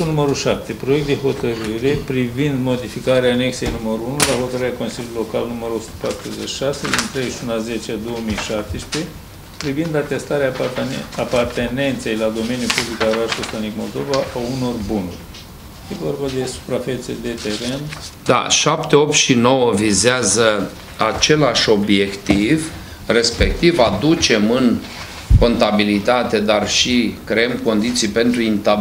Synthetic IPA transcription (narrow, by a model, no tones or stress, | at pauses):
unuməɾuʃap̚t̪e̞pɾo̞jekt̪d̪e̞ɦo̞t̪əɾɨɾe̞pɾivind̪mo̞d̪ifikaɾeaːne̞kse̞jnuməɾuunulaɦo̞t̪əɾɨɾeako̞nsilʲjululo̞kalnuməɾuo̞su̥t̪ə̥pat̪ɾuzet͡ʃi̥ʃase̞d̪int̪ɾezeʃunlaze̞t͡ʃead̪o̞wəmijʃap̚t̪espe̞ | pɾivind̪at̪e̞st̪aɾeaapart̪e̞ne̞nt̪se̞jlad̪o̞me̞njupublikaoɾaʃost̪anikmo̞̰ld̪o̞vaʔauno̞rbunurʲ | jevo̞rbad̪e̞su̥pɾafe̞t̪sed̪e̞t̪e̞ɾe̞nd̪a̰ʃapt̪e̞o̞p̚t̪ʃino̞wəvizeazə | at͡ʃe̞laʃo̞bje̞kt̪iv | re̞spe̞k̚t̪ivad̪ut͡ʃe̞mɨŋ | ko̞nt̪abilit̪at̪e̞d̪arʃikɾe̞emko̞nd̪it̪sijpe̞nt̪ɾuint̪a